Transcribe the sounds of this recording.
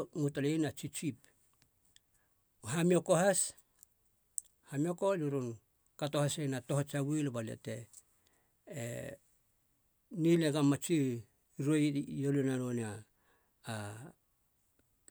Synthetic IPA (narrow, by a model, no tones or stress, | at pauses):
mutalejnat͡ʃit͡ʃip̚ | hamiokohas | hamiokoluɾun | katohasejnato̞ɦat͡ʃawilbaliḛte | nileɡamat͡ʃi | ɾojjolunanonaː